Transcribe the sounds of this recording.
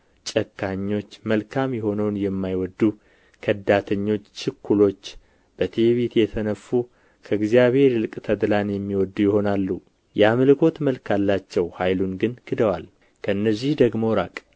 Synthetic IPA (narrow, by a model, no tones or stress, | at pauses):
t͡ʃʼəkʰːaɲːo̞t͡ʃːməlkʰamjɛho̞nəwnjɛmːajwɔd̪ːu | kʰəd̪at̪ʰəɲːo̞t͡ʃːt͡ʃʰɨkʰːulo̞t͡ʃː | b̥ət̪ʰeβit̪jɛt̪ʰənəfːu | kʰəɨɡzijaβhe̞ɾlɨkʼt̪ʰəd̪lanjɛmːiwɔd̪ːujɪho̞nalːu | jɛaməlɨkʰo̞t̪məlkʰalːat͡ʃːɛwhajlunɡɨnɡʰɨd̪əwal | kʰəɨnːəzːihd̪əɡmo̞ɾakʼ